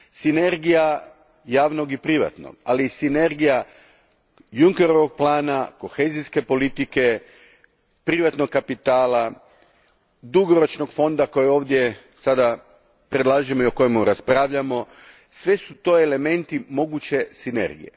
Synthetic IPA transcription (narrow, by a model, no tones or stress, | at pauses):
sine̞ɾɡija | jaːʋno̞ɡipɾiʋa̰t̪no̰ɡ̥a̰lisine̞ɾɡija | juŋke̞ɾo̞ʋoɡ̚plˠaːnako̞xe̞ziske̞po̞lit̪ike̞ | pɾiʋat̪no̞ɡkːapit̪aːla | d̪uɡo̞ɾo̞t͡ʃno̞ɡfo̞nd̪ako̞jeo̞ːʋd̪je̞ | sad̪a | pɾe̞d̪lˠaːʒimoioko̞jemuɾaspɾaːʋʎamo̞ | sʋe̞sut̪o̞ele̞me̞nt̪imo̞ɡut͡ɕe̞sine̞̰ɾɡḭjḛ